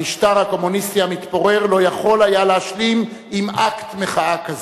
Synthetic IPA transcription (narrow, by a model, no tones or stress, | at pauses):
iʃtaʁhako̞munist̪iamit̪bo̞ʁeʁlo̞jaχo̞lajaleaʃlim | imʔakt̪meχaakaz